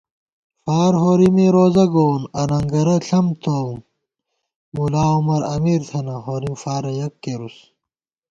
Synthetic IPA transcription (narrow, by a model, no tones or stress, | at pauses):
faːɾɦoːɾimeɾoːzɐɡoːnɐnɐŋɡɐɾɐɬʰɐmt̪ʰoːm | mulaːumɐɾɐ̰miːɾt̪ʰɐnɐɦoːɾimfaːɾɐjɐkːeɾus